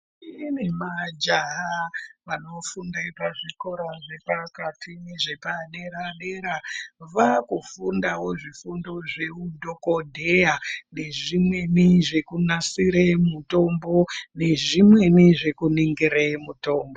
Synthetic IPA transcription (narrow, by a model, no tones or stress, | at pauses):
inemad͡ʒaɦaʋano̞fundepaʐiko̞ɾaʐe̞pakatʰiniʐe̞paɗeɾaɗeɾaʋakufundawo̞ʐifundo̞ʐe̞udʱo̞kodʱejane̞ʐimwe̞niʐe̞kunasiɾemuto̞mbo̞ne̞ʐimwe̞niʐe̞kuniŋɡiɾemuto̞ːmbo